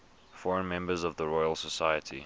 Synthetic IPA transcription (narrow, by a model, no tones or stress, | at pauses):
fɔɹə̃nmɛ̃mbəzəvðəɹɔɪəlˠsəsaɪətʰḭ